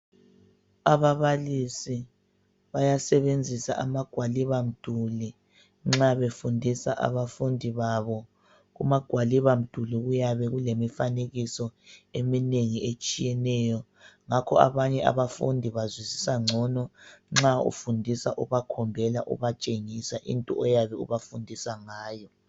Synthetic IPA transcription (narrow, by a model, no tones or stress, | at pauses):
aβaβalisi | βajasɛβend͡zʱisaʔamaɡ̥ʱwaliβam̩d̥ʱuli | ŋ͡ǁaβefundʱisaʔa̰βafundʱiβaβɔ | ɣumaɡ̥ʱwaliβam̩d̥ʱuliɣujaβɛɣulemifaneɣisɔemineŋiet͡ʃʼijɛnɛjɔ | ŋakʰɔa̰βaɲɛa̰βafṵndʱiβazwisi̥saŋ͡ǀʱɔnɔŋ͡ǁaṵfundʱisaʔuβakʰɔmbʱɛla̰ʔṵβat͡ʃʼeŋisaʔḭntʼuɔjaβɛṵβafundʱisaŋaːjɔ